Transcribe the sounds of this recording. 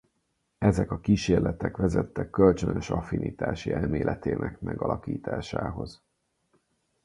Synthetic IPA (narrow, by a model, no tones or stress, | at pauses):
ɛzɛkɒkiːʃeːrlɛt̪ɛkʋɛzɛt̪ːɛkːølt͡ʃønøʃɒfinʔiːt̪aːʃiɛlmeːlʔɛt̪eːnʔɛkmɛɡɒlɒkiːt̪aːʃaːɦo̞z̥